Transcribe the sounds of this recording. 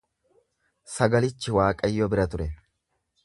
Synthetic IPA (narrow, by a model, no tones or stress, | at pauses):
sɐɡɐlɪt͡ʃːɪwaːkʼɐjːɔbɪɾɐt̪ʊɾɛ